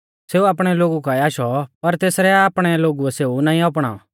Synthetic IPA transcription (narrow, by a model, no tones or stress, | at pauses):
seːuaːpɽ̃ɛloːɡukaiaːʃɔpɐɾt̪eːsɾɛaːpɽ̃ɛloːɡuɛseːunaːĩɔp̬ɽ̃a̰ːɔ̰